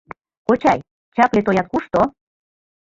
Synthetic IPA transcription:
kot͡ɕɑj | t͡ɕɑklet̪ojɑt̪̚kuʃt̪o

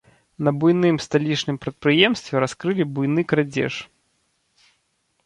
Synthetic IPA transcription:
nɐbujnɨmst̪alʲit͡ʂnɨmpɾɐt̪̚pɾɨjɛmst̪vʲɛɾaskɾɨlʲibujnɨkɾad͡zʲɛ̰ʂ

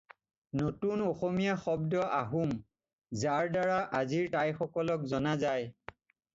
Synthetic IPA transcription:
notunoxomijaxɔbdɔʔaɦum | zaɹdaɹaʔaziɹtajxɔkɔlɔkzɔnazaj

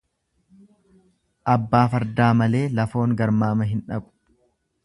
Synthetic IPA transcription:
ʔɐbːaːfɐɾd̪aːmɐle̞ːlɐfo̞ːŋɡɐɾmaːmɐɦɪnᶑɐ̰kʼʊ̥

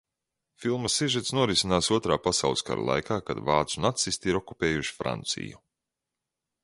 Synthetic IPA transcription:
filˠmɐseʒɛt̪snuɔɾisʲinaːsuɔt̪ɾaːpasawlˠsʲka̰ɾa̰lˠa̰jkaːkad̪vaːt̪sunat̪sist̪iɾɔkupeːjuʃi̥fɾa̰nt̪sḭju

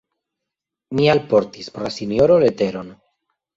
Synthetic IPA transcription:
mialpo̞ɾtispoɾlasinjo̞ɾole̞te̞ɾo̞n

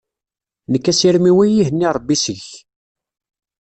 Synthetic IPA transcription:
nəkːæsiɾmiwijiɦənːiɾˤəbːisəç

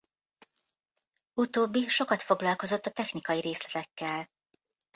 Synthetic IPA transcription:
ut̪oːbːiʃo̞kɒt̪fo̞ɡlɒlko̞zo̞t̪ːɒt̪ɛxnikɒjiɾeːslɛt̪ɛkːɛl

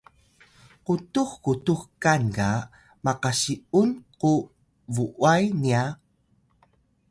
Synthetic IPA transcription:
qutuxkutuxkanka | maqaɕiunqu | vuʔwajnia

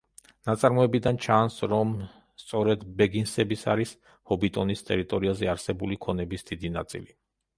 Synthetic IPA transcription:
nat̪sʼaɾmɔɛbid̪ant͡ʃʰansɾɔm | st̪sʼɔɾɛd̪bɛɡinsɛbisaɾis | hɔbit̪ʼɔnist̪ʼɛɾit̪ʼɔɾiazɛaɾsɛbulikʰɔnɛbisd̪id̪ina̰t̪sʼḭli

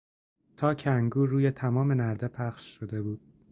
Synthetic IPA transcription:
t̪ʰɒːcʰæŋɡuːɾuːjet̪ʰæmɒːme̞næɾd̪epʰæχʃʃod̪e̞buːd̪̥̚

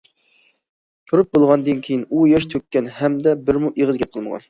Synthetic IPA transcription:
t̪ʰuɾɨp̚bolˠʁɑnɨd̪ɨnkʲʰejinujɛʃt̪ʰøkʲːɛnhɛmd̪ɛbɪɾmuʔeʁəzɡʲɛp̚qʰəlˠməʁɑ̰n

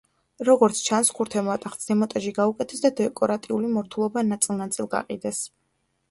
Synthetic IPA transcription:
ɾɔɡɔɾt̪sʰt͡ʃʰanskʰuɾt̪ʰɛmɔat̪ʼaχt̪sd̪ɛmɔt̪ʼaʒiɡaukʼɛt̪ʰɛsd̪ad̪ɛkʼɔɾat̪ʼiulimɔɾt̪ʰulˠɔbanat̪sʼilˠnat̪sʼilˠɡa̰qʼḭd̪ɛs

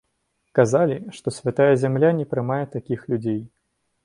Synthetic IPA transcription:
kazalʲiʂt̪ɔsʲvʲat̪ajɐzʲamlʲanʲɛpɾɨmajɛt̪akʲixlʲud͡zʲej

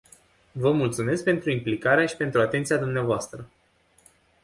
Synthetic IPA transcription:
vəmult̪sume̞sk̚pe̞nt̪ɾuimplikaɾeaʃi̥pe̞nt̪ɾuat̪e̞nt̪siad̪umneavoast̪ɾə

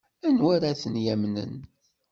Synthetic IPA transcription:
ænwæɾæθənjæmnə̰n

